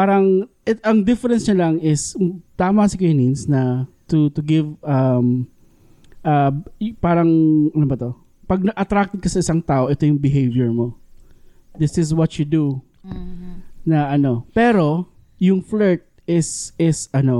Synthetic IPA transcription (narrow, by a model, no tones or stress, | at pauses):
paːɾɐŋ | ɛɐŋd̪ɪfɛɾɛnsɲɐlɐŋɪst̪aːmɐsɪkɐjninsnɐt̪ʊt̪ʊɡɪvɐm | ʔɐpaːɾɐŋʔɐnobɐt̪o̞ | pɐɡ̚nɐʔɐt̪ɾak̚t̪ɛd̪̚kɐsɐɪsaŋt̪aːʔo̞ʔɛt̪o̞jʊŋbɪɦejvjɛɹmo̞ | d̪ɪsɪs̬wɐt͡ʃʊd̪u | nɐʔɐno̞pɛːɾo̞ | jʊŋflɛɹt̪̚ | ɪsɪsɐno̞